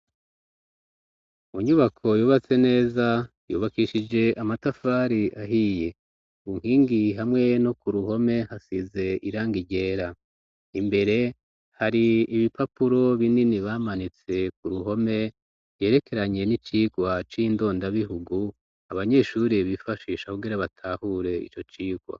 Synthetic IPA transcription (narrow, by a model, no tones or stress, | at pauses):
uɲuβakʰo̞juːβat͡se̞ne̞ːza | jṵːβakiʃid͡ʒe̞ʔamatafaːɾiʔaɦije̞ | uŋ̥hiːŋɡiɦamŋe̞no̞kuɾuɦo̞me̞hasize̞iɾaːŋɡiɟe̞ːɾa | imbe̞ɾe̞ | haɾiːβipʰapuɾo̞βininiβaːmanit͡se̞k̚uɾuɦo̞me̞ | je̞ːɾe̞ke̞ɾaɲe̞nit͡ʃiːɡwat͡ʃiːndo̞ːndaβiɦuɡu | aβaɲe̞ʃuːɾiβifaʃiːʃakuɡiɾaβatʰaːhuɾe̞ḭt͡ʃo̞t͡ʃiːɡ̥wa̰